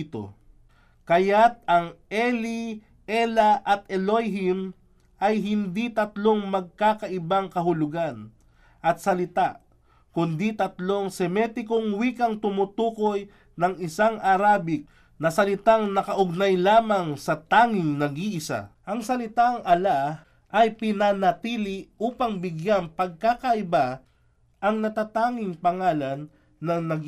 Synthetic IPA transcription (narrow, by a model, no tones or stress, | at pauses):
t̪o̰ | kɐjat̪̚ɐŋʔɛli | ʔɛlɐʔɐt̪̚ɛlojɦim | ʔɐjɦɪnd̪it̪ɐt̪lo̞ŋmɐɡ̚kaːkɐʔɪbaŋkɐɦʊlʊɡan | ʔɐt̪sɐlɪt̪aʔ | kʊnd̪it̪ɐt̪lo̞ŋsɛmɛt̪ɪkoŋwiːkɐŋt̪ʊmʊt̪uːko̞j | nɐŋɪsaŋʔɐɾaːbɪk̚ | nɐsɐlɪt̪aŋnɐkɐʔʊɡ̚najlaːmɐŋsɐt̪aːŋɪŋnɐɡiʔɪsa̰ʔɐŋsɐlɪt̪aŋʔɐla | ʔɐjpɪnanɐt̪iːlɪʔuːpɐŋbɪɡjanpɐɡ̚kakɐʔɪba | ʔɐŋnɐt̪aːt̪aːŋɪŋpɐŋaːlɐnː | ɐnɐɡ